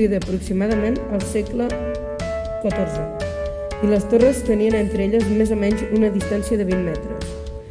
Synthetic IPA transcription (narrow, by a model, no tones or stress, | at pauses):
iðəːpɾuksimaðəmenəlˠsɛklə | kət̪orzə | iləst̪orəst̪əniənent̪ɾəeʎəzmezomɛɲzunəðist̪ansiəðəβ̞immɛt̪ɾə̰s